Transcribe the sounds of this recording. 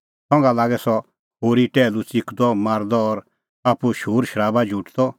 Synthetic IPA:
sɔ̃ŋɡalaːɡɛsɔ | ɦoːɾiʈɛːlut͡sikʰd̪ɔmaːɾd̪ɔːɾ | apuʃuːɾʃəɾaːbad͡ʒʱuʈd̪ɔ

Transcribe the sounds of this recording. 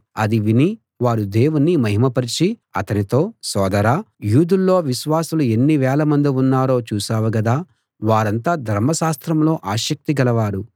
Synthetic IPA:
ɐd̪iʋini | ʋaːɾud̪e̞ːwunːimɐɦimɐpɐɾit͡ʃiɐ̰t̪ɐnit̪o̞ːsɔːd̪ɐɾaː | juːd̪ulːo̞ːʋiʃʋaːsulue̞nːiʋɛːlɐmɐnd̪iunːaːɾo̞ːt͡ʃuːsaːʋuɡɐd̪aː | ʋaːɾɐnt̪aːd̪ʱɐɾmːɐʃaːst̪ɾɐmlo̞ːʔaːʃɐk̚t̪iɡɐlɐʋaːɾu

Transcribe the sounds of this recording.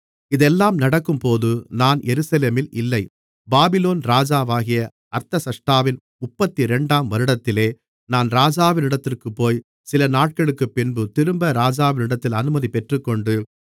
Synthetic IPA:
ɪðɛlːaːmnɐɽɐkːɯmpoːðɯnaːnjɛɾɯsɐleːmɪlɪlːɐɪ | baːbɪloːnɾaːd͡ʒaːʋaːɣɪjɐ | ʔɐɾt̪ɐsɐʂʈaːʋɪn | ʊpːɐt̪ːiɾɛɳɖaːmʋɐɾɯɽɐt̪ːɪleː | naːnɾaːd͡ʒaːʋɪnɪɽɐt̪ːɪrkɯpːoːj | sɪlɐnaːʈ̚kɐɭɯkːɯpːɪnbɯt̪ɪɾɯmbɐɾaːd͡ʒaːʋɪnɪɽɐt̪ːɪlɐnɯmɐðipɛʈrɯkːɔɳɖɯ

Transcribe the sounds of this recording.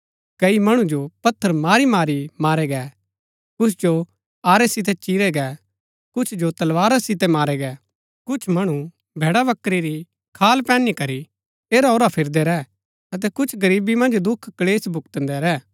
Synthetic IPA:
kɐimɐɽ̃ũd͡ʒopɐt̪ʰːəɾmaːɾimaːɾimaːɾɛɡɛ | kʊsʰd͡ʒo | aːɾɛsɪt̪ɛt͡ʃiːɾɛɡɛ | kʊt͡ʃʰd͡ʒot̪ɐlʋaːɾasɪt̪ɛmaːɾɛɡɛ | kʊt͡ʃʰmɐɽ̃ũ | bʱeːɽaʋɐkɾiɾi | kʰaːlpɛ̃ːnikɐɾi | eːɾaoːɾapʰɪɾd̪ɛɾɛː | ɐt̪̬ɛkʊt͡ʃʰɡɐɾiːbimɐ̃nd͡ʒd̪ʊkʰːɐleːsbʱʊkt̪ə̃nd̪ɛɾɛː

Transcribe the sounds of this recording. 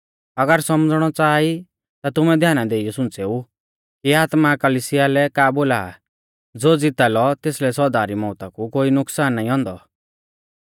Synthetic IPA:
ɐɡəɾsɔmd͡zɽ̃ɔt͡saːi | t̪at̪ʊmɛ̃d̪ʱjaːnad̪eːijɔsʊ̃nt͡seːu | kiaːt̪makɐlisɪjalɛkaːboːla̰ː | d͡zoːd͡zɪt̪alɔt̪eːslɛsɔɾd̪aːɾimɔːt̪akukoːinʊksaːnːaːĩɦɔ̃ːnd̪ɔ

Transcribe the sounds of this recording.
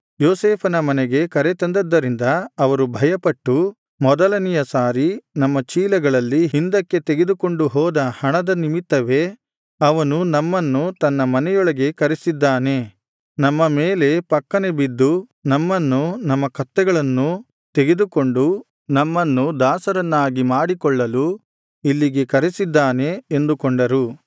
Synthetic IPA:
joːseːpʰɐnɐmɐnɛɡe̞kɐɾet̪ɐnd̪ɐd̪ːɐɾind̪ɐɐʋɐɾubʱɐjɐpɐʈːu | mɔd̪ɐlɐnijɐsaːɾinɐmːɐt͡ʃiːlɐɡɐɭɐlːiɦind̪ɐkːe̞t̪eɡe̞d̪uko̞ɳɖuɦɔːd̪ɐhɐɳɐd̪ɐnimit̪ːɐʋe̞ | ɐʋɐnunɐmːɐnːut̪ɐnːɐmɐnɛjɔɭɐɡe̞kɐɾesid̪ːaːne̞ | nɐmːɐmeːle̞pɐkːɐne̞bid̪ːunɐmːɐnːunɐmːɐkɐt̪ːɛɡɐɭɐnːu | t̪eɡe̞d̪uko̞ɳɖu | nɐmːɐnːud̪aːsɐɾɐnːaːɡimaːɽikɔɭːɐlu | ilːiɡe̞kɐɾesid̪ːaːne̞ːnd̪ukoɳɖɐɾu

